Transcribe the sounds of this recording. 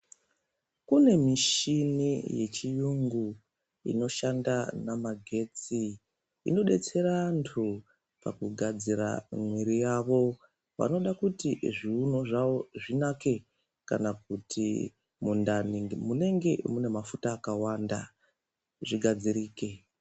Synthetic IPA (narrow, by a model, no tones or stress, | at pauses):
kune̞miʃinije̞t͡ʃijuŋɡu | ḭno̞ʃandanamaɡʱe̞t͡sḭː | no̞ɗe̞t͡se̞ɾantʰu | pa̰kuɡʱad͡ziɾa̰mwiɾijaʋo̞ | ʋa̰no̞ɗakutiʐiuno̞ʐaʋo̞ʐinake̞ | kanak̚utʰḭ | mundanimune̞ŋɡe̞mune̞mafutaːkawanda | ʐiɡʱad͡ziɾiːke